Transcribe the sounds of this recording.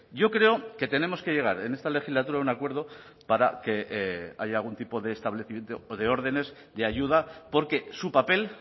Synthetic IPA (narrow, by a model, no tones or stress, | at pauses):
ɟ͡ʝo̞kɾe̞oke̞t̪e̞ne̞mo̞ske̞ʝe̞ɣ̞a̰ɾene̞st̪ale̞xizlat̪uɾaunakwe̞ɾð̞o̞ | paɾa̰ke̞a̰ʝaːlɣunt̪ipo̞ðeːst̪aβleθimje̞nt̪oːðe̞o̞ɾðe̞ne̞s | d̪e̞aʝuð̞apo̞ɾke̞supape̞l